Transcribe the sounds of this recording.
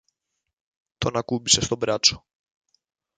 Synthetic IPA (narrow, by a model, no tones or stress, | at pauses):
t̪ɔnakubisɛst̪ɔbɾat͡ʂɔ̥